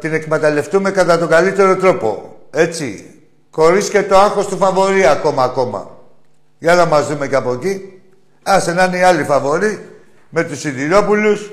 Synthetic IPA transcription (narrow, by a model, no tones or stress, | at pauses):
t̪ine̞kmet̪ɐle̞ft̪ume̞kɐt̪ɐt̪o̞ɡalit̪e̞ɾo̞t̪ɾo̞po̞̰e̞t͡si | ko̞ɾiscet̪o̞aŋxo̞st̪ufɐvo̞ɾiɐko̞mɐːko̞mɐ̰ | ʝɐnɐmɐzðume̞ceɐpo̞ci | ɐsenɐneiɐlifɐvo̞ɾi | me̞t̪usiðiɾo̞pulus